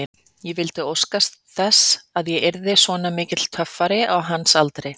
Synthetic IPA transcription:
jɛvɪlt̪ɪowskast̪θɛsaðjɛʔɛɾðɪsvɔːnamɪːcɪt̪l̥t̪ʰœfːaɾɪʔawɦansalt̪ɾɪ

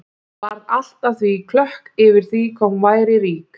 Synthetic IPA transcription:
vaɾðal̥t̪aθvikʰlœhkɪvɪɾ̥θvikʰɔwmːvaːjɾɪɾiːk

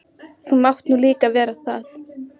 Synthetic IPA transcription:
θumawt̪nuːliːkavɛːɾaθa̰θ

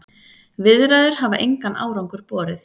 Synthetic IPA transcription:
vɪðɾaðʏɾ̥ɦavaʔejŋkanʔa̰ːwɾawŋkʏɾ̥pɔːɾɪθ

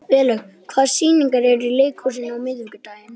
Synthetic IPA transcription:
vɛːlœɣ | kʰv̥aːðsiːniŋkaɾɛɾileːjkʰowsɪnawmɪðvɪkʏt̪aːjjɪn

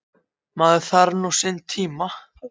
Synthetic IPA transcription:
maðʏθaɾnusɪnt̪ʰiːma

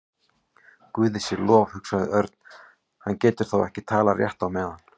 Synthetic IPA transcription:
kʏːðɪsjɛɾlɔːvhʏksaðɪœɾt̪n̥ | hancɛːt̪ʏɾ̥θowɛ̰hcɪt̪ʰaːlarjɛ̰ht̪awmɛðan

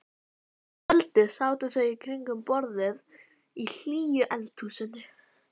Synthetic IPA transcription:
ɛlt̪ɪsaːwt̪ɪθœɥikʰɾiŋkʏmpɔɾðɪð | il̥iːjʏʔɛlt̪ʰuːsʏnːʏ

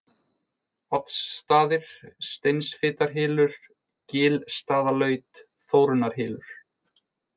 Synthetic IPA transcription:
ɔt̪sːt̪aːðɪɾ̥st̪ejnsfɪːt̪aɾ̥ɦɪːlʏɾ̥ | cɪːlst̪aːðalœːɥt̪ | θoːwɾʏnaɾ̥ɦɪːlʏɾ̥

